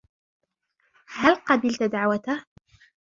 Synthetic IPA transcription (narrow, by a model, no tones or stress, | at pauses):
halqɑbɪlt̪d̪aʕwat̪a